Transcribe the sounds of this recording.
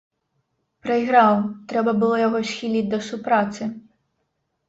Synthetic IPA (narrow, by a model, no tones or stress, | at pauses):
pɾɐiɦɾɑwt̪ɾɛbɐbʊlˠɔjɔɦɔʃxʲilʲit̚ʲd̪ɔsʊpɾɑt͡s̪ʲɪ